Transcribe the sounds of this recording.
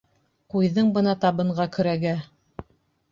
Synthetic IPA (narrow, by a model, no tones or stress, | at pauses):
qujðɤɴbɤnɑt̪ɑβɤ̆ɴɢɑkɵ̆ɾæɡæ